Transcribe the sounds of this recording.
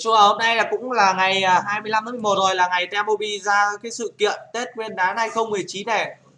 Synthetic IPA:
t͡ɕu˧˩ə˨˩ho˧mna˧jla˨˩kʊ̰˧˥ŋ͡mlaː˨˩ŋa˨˩jəː˨˩ɦaː˧jmɨ˧əjla˧mt̪ʰːmo˨˩t̚zo˨˩jlaː˨˩ŋa˨˩jt̪ɛ˧mʔo˧ɓi˧zaː˧˨˦kaː˨˦jsɨ̰˧˨kḭ˧˨ənt̪e˦˥t̚ŋwi˧ənɗaː˨˦nha˧jxə˧wŋ͡mmɨ˨˩əjt͡ɕi˨˦nːɛ˨˩

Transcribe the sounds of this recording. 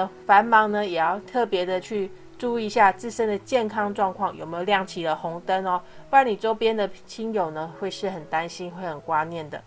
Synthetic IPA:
fa˧˦˥nmɑ˧˥ŋnə˧jɛ˨˩jɑ˥˧ʊt̪ʰɤ˥˩pjɛ˧˥d̪ə˧t͡ɕʰy˥˩ | ʈ͡ʂu˥˧i˥˧˦ɕja˥˧t͡sɹ̩˥˩ʂə˦˥nd̪ə˨t͡ɕjɛ˥˨nkʰɑ˥ŋʈ͡ʂwɑ˥˧ŋkʰwɑ˥˩ŋjo̰˨˩me˧˥jljɑ˥˩ŋt͡ɕʰi˧˥lə˨xʊ˧˥ŋt̪ə˦nɔ˨wa˧˥ni˨˩ʈ͡ʂo˥ʊpjɛ˥nd̪ə˨t͡ɕʰi˥njo˨˩ʊnə˦xwe˥˧ɪʂɻ̩˥˩xə˨˩nt̪a˦˥nɕi˥nxwe˥˩ɪxə˨˩nkwa˦nnjɛ˥˩nd̪ə̰˩

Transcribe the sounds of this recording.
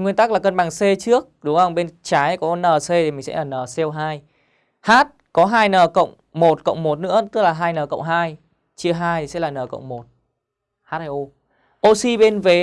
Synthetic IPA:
ŋwi˧ənt̪aː˦˥k̚laː˨˩kə˧nɓaː˨˩ŋse˧t͡ɕɨ˦˥ək̚ɗʊ˨˦ŋ͡mhə˧wŋ͡mɓe˧nt͡ɕaː˨˦jkɔ˨˦nəː˨˩se˧i˨˩mï˨˩ŋsɛ̰˧˥laː˨˩nəː˨˩sɛ˧wɦaː˧j | haː˦˥t̚kɔ˨˦ɦaː˧jnəː˨˩kə̰˧˨wŋ͡m | mo˨˩t̚kə̰˧˨wŋ͡mmo˨˩t̚nɨ̰˧˥ət̪ɨ˦˥k̚laː˨˩ɦaː˧jnəː˨˩kə̰˧˨wŋ͡mɦaː˧j | t͡ɕɨ˧əɦaː˧jsɛ̰˧˥laː˨˩nəː˨˩kə̰˧˨wŋ͡mmo˨˩t̚ | haː˦˥t̚haː˧ʔo˧ | ʔo˧si˧ɓe˧nve˨˦

